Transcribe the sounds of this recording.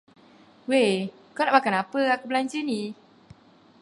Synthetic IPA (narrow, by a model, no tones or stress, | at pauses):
we | kɔnamakaapəakəblanɲd͡ʒɯni